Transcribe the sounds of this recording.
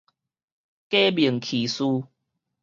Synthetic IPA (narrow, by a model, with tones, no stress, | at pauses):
ke˦bi˨˩əŋkʰi˨˩su˦